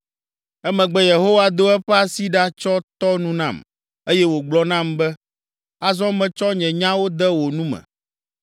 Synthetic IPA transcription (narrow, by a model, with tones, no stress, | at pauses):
ɛ˦mɛ̃˨ɡ͡bɛ˦je˨ɦo˦wa˦d̪o˦ɛ˦ɸɛ˦a˨si˦ɖa˦t͡ʃɔ˦t̪ɔ˦nũ˦nã̰˦˨m | e˦jɛ˦wo˨ɡ͡blɔ˦nã˦˨mbɛ˦ | a˦zɔ̃˦mɛ̃˨t͡ʃɔ˦ɲɛ̃˨ɲã˦wo˦d̪ɛ˦wo˨nũ˦mɛ̰̃˨